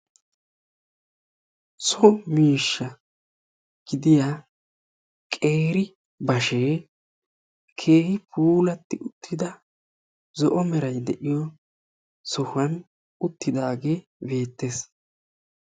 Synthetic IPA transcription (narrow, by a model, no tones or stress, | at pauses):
sɔmiːʃːɐ | ɡ̥ɪd̪ɪjaː | kʼeːɾɪ | bɐʃeː | kʰe̞ːhɪpʰuːlɐt̪ːɪʊt̪ʰːɪd̪ɐ | zɔʔɔmɛɾɐjd̪ɛʔɪjɔ | sɔhɐn | ʊt̪ːɪd̪aːɡebe̞ːt̪ːe̞s